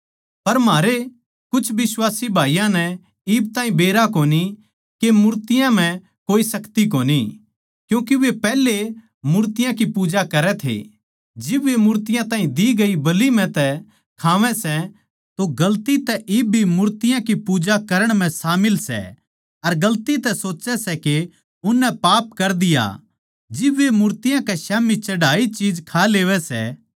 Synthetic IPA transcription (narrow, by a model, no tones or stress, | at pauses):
pɐɾmaːɾe | kʊt͡ʃʰʋɪswaːsibʱaːijãnɛ | iːb̚t̪ãːɦĩbeːɾakoːni | kemʊɾt̪ɪjãm̤ɛ̃ | koːisɐkt̪ik̬oːni | kjũːk̬iʋepɛːle | mʊɾt̪ɪjãk̬ipuːd͡ʒakɐɾɛt̪ʰḛ | d͡ʒɪbʋemʊːɾt̪ɪjãt̪ãːɦĩd̪iɡɐibɐlim̤ɛ̃t̪ɛ | kʰaːʋɛ̃sɛ | t̪oɡɐlt̪it̪ɛʔɪbʱimʊɾt̪ɪjãkipuːd͡ʒakɐɾəɽ̃m̤ɛ̃saːmɪlsɛ̰ | ɐɾɡɐlt̪it̪ɛsoːt͡ʃɛsɛke | ʊnːɛpaːpkɐɾd̪ɪja̰ | d͡ʒɪbʋemʊɾt̪ɪjãkɛʃaːmit͡ʃɐɽaːit͡ʃiːd͡ʒkʰaleːʋɛsɛ̰